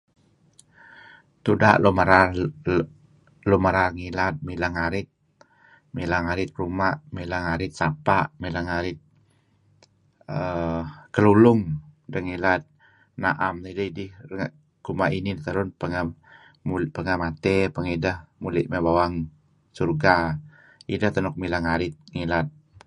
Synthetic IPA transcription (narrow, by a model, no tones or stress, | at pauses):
t̪udaʔlomaɾa | lumaɾarŋilat̪̚milaŋaɾɪt̪̚ | milaŋaɾɪt̪̚rumaʔmilaŋaɾɪt̪̚sapaʔmilaŋaɾɪt̪̚ | əkəlulʊŋdəŋilat̪̚ | naʔamnədaidɪhŋ | kumaʔinint̪əɾʊnpəŋa | mupəŋamat̪ɛpəŋidahmulɪʔmabawaŋ | surɡa | idaht̪ənɔk̚milaŋaɾɪt̪̚ŋilat̪̚